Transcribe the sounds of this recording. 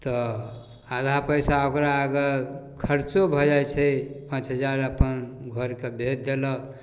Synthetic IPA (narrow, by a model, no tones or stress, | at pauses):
t̪ɔ | ad̪ʱapəjsaokɾaːɡəkʰəɾt͡ʃobʱɔd͡ʒajt͡ʃʰɛpãt͡ʃɦəd͡ʒaɾəpənɡʱəɾkebʱet̪̚d̪elɔ